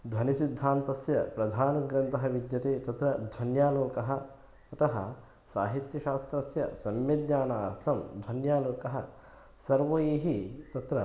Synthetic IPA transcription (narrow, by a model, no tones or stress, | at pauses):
d̪ʱʋɐnisid̪ʱːaːnt̪ɐsjɐpɾɐd̪ʱaːnɐɡɾɐnt̪ɐɦɐʋid̪jɐt̪eːt̪ɐt̪ɾɐd̪ʱɐnjaːloːkɐɦɐ | ɐt̪ɐɦɐ | saːɦit̪jɐʃaːst̪ɾɐsjɐ̰sɐmjɐd̪ɲaːnaːɾt̪ʰɐmd̪ʱʋɐnjaːloːkɐɦɐ | sɐɾʋɐjeːɦit̪ɐt̪ɾɐ